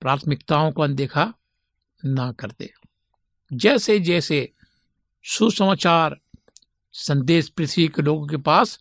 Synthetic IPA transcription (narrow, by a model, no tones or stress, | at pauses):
pɾaːt̪ʰmɪkt̪aːõkond̪eːkʰa | nakəɾt̪ḛː | d͡ʒɛːsed͡ʒɛːse | susəmaːt͡ʃaːɾ | sə̃nd̪eːʃpɾɪt̪ʰʋikeloːɡõkepaːs